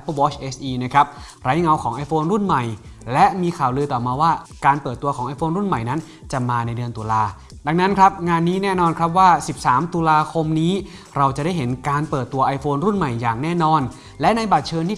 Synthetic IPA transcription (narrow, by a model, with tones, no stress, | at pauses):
ɛ˦˥pːɤː˥˩wɔː˦˥t͡ɕʔe˦˥sʔiː˧na˦˥kʰɾa˦˥p̚ | ɾa˦˥jŋa˧wkʰɔː˩˦ŋʔa˧jfʰoː˧nɾu˥˩nma˨˩jlɛ˦˥miː˧kʰaː˨˩wlɯː˧t̪ɔː˨˩maː˧waː˥˩ | kaː˧npɤː˨˩t̪ːu˧ɐkʰɔː˩˦ʔa˧jfʰoː˧nɾu˥˩nma˨˩jna˦˥n | t͡ɕa˨˩maː˧na˧jdɯ˧ənt̪u˧laː˧ | da˧ŋna˦˥nkʰɾa˦˥p̚ŋaː˧nːiː˦˥nɛː˥˩nɔː˧nkʰɾa˦˥p̚waː˥˩si˨˩p̚saː˩˦mt̪u˧laː˧kʰo˧mniː˦˥ | ɾa˧wt͡ɕa˨˩da˥˩jɦe˩˦nkaː˧npɤː˨˩t̪ːu˧ɐʔa˧jfʰoː˧nɾu˥˩nma˨˩jːaː˨˩ŋnɛː˥˩nɔː˧n | lɛ˦˥ʔna˧jbaː˨˩t͡ɕʰɤː˧nt̪ʰiː˥˩